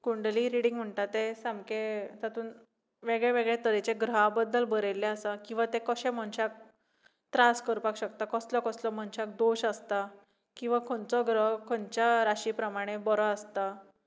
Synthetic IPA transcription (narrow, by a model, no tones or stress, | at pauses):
kuɳɖliɾiɽĩŋɡm̤əɳʈat̪esamket̪at̪uːn | ʋeɡɭeʋeɡɭet̪əɾet͡ɕeɡɾəɦabəd̪ːəlbəɾelːeəsakĩw̃ʋat̪ekəɕẽm̤əɳɕak̚ | t̪ɾaskəɾpakɕəkt̪akəslɔkəslɔm̤əɳɕak̚d̪oɕast̪a | kĩw̃ʋakʰoɳt͡sɔɡɾəɦkʰoɳt͡ɕaɾaɕipɾəmaɽ̃ebɔɾɔəst̪a